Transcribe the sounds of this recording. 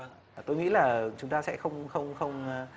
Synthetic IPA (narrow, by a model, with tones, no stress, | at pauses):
t̪o˧jŋḭ˧˥laː˨˩t͡ɕʊ˨˦ŋ͡mt̪aː˧sɛ̰˧˥xə˧wŋ͡mxə˧wŋ͡mxə˧wŋ͡m